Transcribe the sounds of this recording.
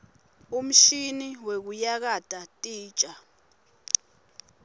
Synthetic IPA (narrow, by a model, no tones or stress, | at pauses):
um̩ʃiniwek̬ujak̬atʼatʼiːt͡ʃʼa